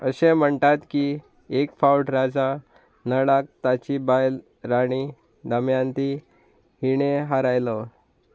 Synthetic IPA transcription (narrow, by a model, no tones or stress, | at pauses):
ə̰ɕẽm̤əɳt̪at̪ki | ekfawʈɾad͡za | nəɽak̚t̪at͡ɕibajl | ɾaɽ̃i | d̪əmjant̪i | hiɳeɦaɾajlɔ